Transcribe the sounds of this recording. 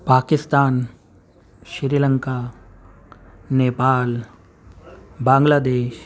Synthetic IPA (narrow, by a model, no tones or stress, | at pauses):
paːkɪst̪aːn | ʃɪɾiːlə̃ŋkaː | neːpaːl | bãːŋɡlaːd̪eːʃ